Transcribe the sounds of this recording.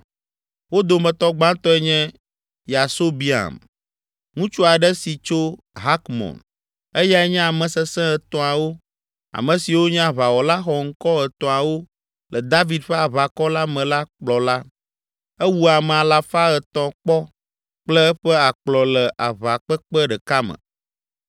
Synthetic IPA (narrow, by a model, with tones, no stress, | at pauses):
wo˦d̪o˨mɛ̃˨t̪ɔ˦ɡ͡bã˦t̪ɔ˦ɛ˦ɲɛ̃˦ | ja˨so˦bi˦a̰˨m | ŋũ˦t͡ʃu˦a˨ɖɛ˦si˨t͡ʃo˦ | ɦa˦kmɔ̰̃˨n | e˦ja˦ɛ˦ɲɛ̃˦a˨mɛ̃˨sɛ˦sɛ̃˦ɛ˨t̪ɔ̃˨a˨wo˦ | a̰˨mɛ̃˨si˨wo˦ɲɛ̃˦a˨βa˨wɔ˨la˦xɔ˨ŋ̩˦kɔ˦ɛ˨t̪ɔ̃˨a˨wo˦ | lɛ˨d̪a˦vi˨d̪ɸe˦a˨βa˨kɔ˦la˦mɛ̃˨la˦k͡plɔ˨la˦ | ɛ˦wu˦a˨mɛ̃˨a˨la˨fa˦ɛ˨t̪ɔ̃˨k͡pɔ˦ | k͡plɛ˦ɛ˦ɸɛ˦a˨k͡plɔ˨lɛ˨ʔa̰˨βa˨k͡pɛ˦k͡pɛ˦ɖɛ˨ka˦mə̰̃˨